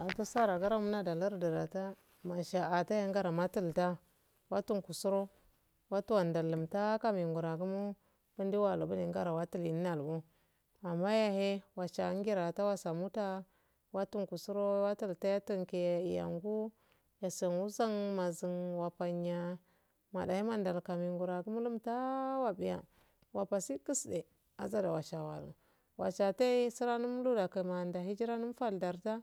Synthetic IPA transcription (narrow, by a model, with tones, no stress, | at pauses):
a˨ta˦sa˦ɾa˨ɡa˦ɾa˦mu˦na˦da˨la˦ɾda˨da˨ta˦ | ma˨ʃa˨a˨ta˦ja˦ŋɡa˦ɾa˨ma˦tu˦˨lta˦ | wa˦tu˦ŋku˨su˦ɾo˦ | wa˦tu˦wa˨nda˨lə˨mta˦ka˦mi˨ŋɡu˨ɾa˨ɡu˦mu˦ | b̥u˦ndi˦wa˦˨lu˨bu˦ni˨ŋɡa˦ɾa˨wa˦ti˦li˨n˦a˨lbu˦ | a˨mːa˦ja˦he˦wa˨t͡ʃa˨˦ŋ˦ɡi˦ɾa˨ta˦wa˦sa˨mu˦ta˦ | wa˦tu˦ŋku˨su˦ɾo˦wa˦tu˨lta˦ja˦tu˦ŋke˨i˨ja̰˨ŋɡu˦ | ja˨sa˨nu˦za˦ŋma˨zi˨nwa˨pa˨ɲa˨ | ma̰˨da˨hi˦ma˦nda˨lka˨mi˨ŋɡu˨ɾa˨ɡu˦mu˦lu˦mta˦wa˨bi˦˨ja̰˨ | wa˨pa˨si˦ki˦sde˨ | a̰˨za˦da˨wa˨t͡ʃa˨wa̰˨lṵ˨ | wa̰˨t͡ʃa˨ta˦i˦si˦ɾa˦nu˦m˦lu˦da˨ka˨ma˨nda˨ɦi˦d͡ʒi˦ɾa˦nu˦m˦fa˦˨lda˨ɾta˦